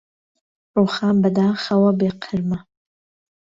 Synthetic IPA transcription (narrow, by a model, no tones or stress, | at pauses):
ruːxaːnbɐd̪aːxɐwɐbeːqʰɨɾmɐ